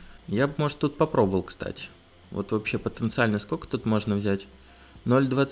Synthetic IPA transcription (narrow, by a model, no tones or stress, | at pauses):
jabɨmo̞ʐt̪ːut̪̚pɐpɾo̞bəvəlˠkst̪a̰tʲɪ̥ | vo̞̰t̪vɐpɕːe̞pət̪ənt̪sɨalʲnəskokə̥t̪ut̪mo̞ʐnəvzʲætʲ | no̞lʲd̪vat̪s